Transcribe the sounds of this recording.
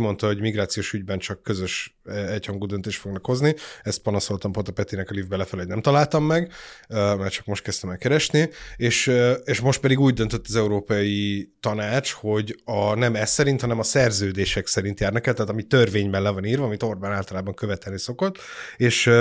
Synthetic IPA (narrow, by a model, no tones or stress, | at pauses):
mo̞nt̪ɒho̞ɟmiɡraːt̪sijoːʃyɟbɛnt͡ʃɒkːøzøʃ | ɛchɒŋɡuːd̪ønt̪eːʃt̪fo̞ɡnɒkho̞zniɛst̪̚pɒnɒso̞lt̪ɒmpot̪opɛt̪inɛkɒlivbɛlɛfɛloɟnɛmt̪ɒlaːlt̪ɒmːɛɡ | mɛrt͡ʃɒ̥kmo̞ʃt̪kɛst̪ɛmɛlkːɛɾɛʃnieːʃeːʃmo̞ʃt̪̚pɛd̪iɡuːɟd̪ønt̪øt̪ːɒzɛuɾoːpɒjit̪ɒnaːt͡ʃho̞ɟɒnɛmɛsːɛɾint̪hɒnɛmɒsɛrzøːd̪eːʃɛksɛɾint̪jaːrnɒkɛlt̪ɛːt̪ɒmit̪ːørveːɲbɛnlɛvɒniːrvɒɒmit̪o̞rbaːnaːlt̪ɒlaːbɒŋkøvɛt̪ɛlniso̞ko̞t̪ːeːʃ